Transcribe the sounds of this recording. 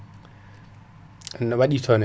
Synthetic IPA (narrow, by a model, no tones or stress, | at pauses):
nɔwaɗitʰɔnɛ